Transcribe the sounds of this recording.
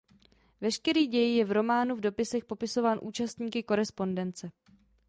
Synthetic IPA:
vɛʃkɛɾiːɟɛjɪjɛvɾo̞maːnuvdo̞pɪsɛxpo̞pɪso̞vaːnʔuːt͡ʃast̪ɲiːkɪko̞ɾɛspo̞ndɛnt͡sɛ

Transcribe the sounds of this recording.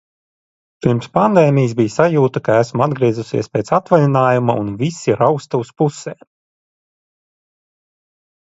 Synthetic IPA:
piɾmspand̪eːmijs̬bʲijsajuːt̪akaæsmuad̪ɡɾiɛzusḭɛspʲeːt̪sat̪valʲinaːjumaunvʲisiɾawkst̪auspuseː

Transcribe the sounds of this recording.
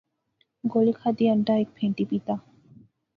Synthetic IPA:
ɡolikʰad̪iaɳʈaek̚pʰeɳʈipit̪a

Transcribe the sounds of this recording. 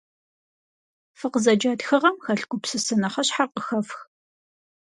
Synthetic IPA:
fɨqəzɐd͡ʒaːdxɨʁɐmxɐɬɡʷʊpsɨsɨnɐχɐɕħarqəxɐfx

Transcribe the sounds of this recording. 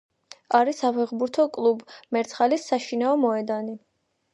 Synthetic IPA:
aɾisapʰɛʁbuɾt̪ʰɔkʼlˠubmɛɾt̪sʰχalisːaʃinaɔmɔɛd̪ani

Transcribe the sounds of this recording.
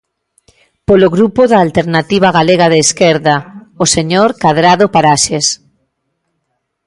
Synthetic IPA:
poloɣɾupoðaːlt̪eɾnat̪iβ̞aɣaleɣaðeːskeɾðaoseɲoɾkaðɾaðopaɾaʃes

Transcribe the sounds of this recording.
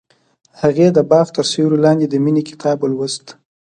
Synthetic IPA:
haɣed̪əbɑft̪əɾseɾulɑnd̪ed̪əminekɪ̥t̪ʰɑbəlwəzt̪

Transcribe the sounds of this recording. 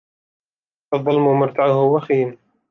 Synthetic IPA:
ʔɑðˤːɑlmʊmʊɾˤt̪aʕʊhʊwaxiːn

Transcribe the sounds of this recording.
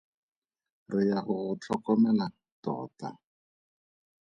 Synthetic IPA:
rɪjahʊɣʊt͡ɬʰɔkɔmɛla | tɔ̰ːta̰

